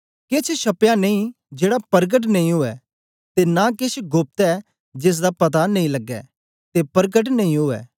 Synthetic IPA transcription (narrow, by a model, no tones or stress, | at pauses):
kɪt͡ʃʰʃɐpjaneĩ | d͡ʒeːɽapɐɾɡəʈ̬nẽĩɦoːɛ | t̪enakɪt͡ʃʰɡoːp̚t̪ɛ | d͡ʒɪs̬d̪apɐt̪anɐ̃ĩlɐɡːɛ̰ | t̪epɐɾɡəʈ̬nɐ̃ĩɦoːɛ̰ː